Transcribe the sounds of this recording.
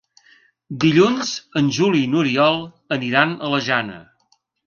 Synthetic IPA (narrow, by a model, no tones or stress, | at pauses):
d̪iʎunzənʲʒulinuɾiɔlˠ | əniɾanələʒanə̰